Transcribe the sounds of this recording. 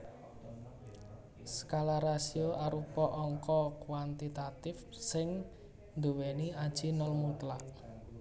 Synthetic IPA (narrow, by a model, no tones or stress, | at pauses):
skalaɾasioʔaɾupɔʔɔŋkɔkwant̪it̪at̪ɪf | sɪŋ | nd̪uweniad̥ʒ̥i̤nɔlmut̪laʔ